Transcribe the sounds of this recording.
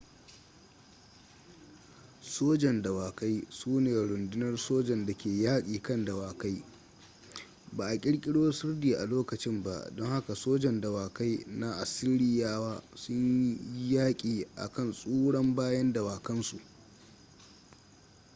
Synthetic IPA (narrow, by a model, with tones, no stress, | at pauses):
soː˦d͡ʒɛ˨nda˨waː˨ka˦jsuː˦neː˨ɽʊ˨ndʊ˦nɐ˦rsoː˦d͡ʒɛ˨nda˨kʲʰeː˨jaː˦kʲʼiː˨kɐ˦˨nda˨waː˨ka˦j | baː˨ʔa˨kʲʼɪ˦ɽkʲʼɪ˦ɽoː˦sʊ˦rdiː˨ʔa˨loː˦kɐ˨t͡ʃɪ˦mba̰˦˨dɔ˦ŋha˦ka˨soː˦d͡ʒɛ˨nda˨waː˨ka˦jna˦ʔa˨sɪ˦ɽɪ˦jaː˦waː˦sʊ˦ɲi˦i˦jaː˦kʲʼiː˨ʔa̰˨kɐ˦nsʼuː˦ɽɔ˦mbaː˦jɐ˦nda˨waː˨kɐ˦nsu˨ʔ